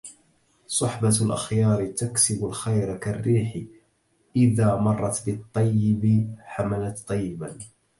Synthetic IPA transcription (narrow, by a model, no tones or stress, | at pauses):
sˤʊħbalʔa̰xjɑːɾt̪aksɪbʊlxajɾkarːiːħ | ʔɪðaːmɑrˤːɑt̪bɪt̪ˤːɑjːɪbɪħamalat̪t̪ˤːɑjːɪban